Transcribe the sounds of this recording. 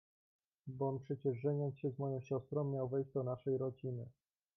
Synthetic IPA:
bɔnpʂɛt͡ɕɛʐʐɛɲɔnt̪sɕɛzmɔjɔ̃w̃ɕɔst̪ɾɔ̃w̃mːʲjawvɛjʑd͡ʑd̪ɔnaʂɛjɾɔd͡ʑinɘ

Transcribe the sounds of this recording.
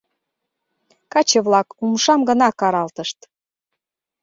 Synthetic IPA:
kɑt͡ɕə̆βlɑkumʃɑmɡə̆nɑkɑɾɑlt̪əʃt̪

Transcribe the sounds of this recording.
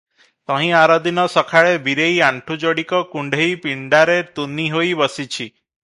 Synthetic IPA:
t̪ɔ̃ɦĩaɾɔd̪inɔsɔkʰaɭebʱiɾejãɳʈʰud͡ʒɔɽikɔkuɳɖʱejpiɳɖaɾet̪uniɦojbɔsit͡ʃʰi

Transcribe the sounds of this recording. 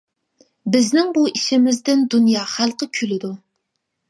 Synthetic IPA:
bɪznɪŋbuʔiʃɪmɪzd̪ɪnd̪unjɑːχælˠqəkʲʰylɪd̪u

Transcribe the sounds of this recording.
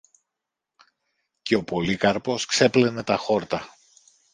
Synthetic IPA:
ce̞o̞polikɐɾpo̞skse̞ple̞ne̞t̪ɐxo̞ɾt̪ɐ

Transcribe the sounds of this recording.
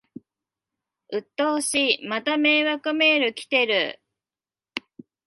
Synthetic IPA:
ɯ̟t̪ːoːɕimat̪ame̞ːβakɯme̞ːɾɯ̟kʲi̥t̪e̞ɾɯ̟

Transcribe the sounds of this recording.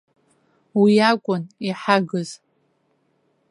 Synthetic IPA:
wiakʷʼʊniħaɡɨz

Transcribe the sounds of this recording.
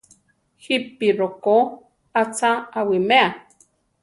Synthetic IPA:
hipiɾoko | at͡saawimea

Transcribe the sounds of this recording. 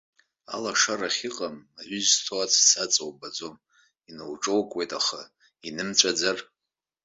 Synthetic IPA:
a̰laʂaraχʲiqʼamaʕʷʏztʰoat͡sʰsat͡sʼowbad͡zo̞m | inɨwʈ͡ʂʼowkʼwejtʼaχa | inɨmt͡ɕʷʼad͡zar

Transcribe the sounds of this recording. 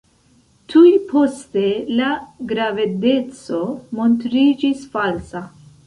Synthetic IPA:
tʰujpʰo̞ste̞laɡɾavede̞t͡so̞montɾid͡ʒisfalsa

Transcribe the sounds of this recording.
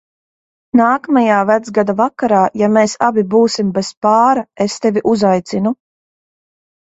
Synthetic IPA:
naːkamajaːvæd̪zɡad̪avakaɾaːjameːsabibuːsimbespaːɾaest̪evʲiʔuzajt̪sinu

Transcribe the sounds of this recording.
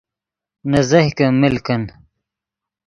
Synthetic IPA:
nɐzɐhkɐmilkɐn

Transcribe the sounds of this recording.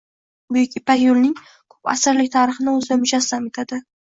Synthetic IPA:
bʊjɪkʲɪpakjolnɪŋ | kʰo̥pa̰sɪɾlɪk̚ʲt̪ʰaɾɨχɪnɪɵzɪamʊd͡ʒasamet̪ʰad̪ɪ

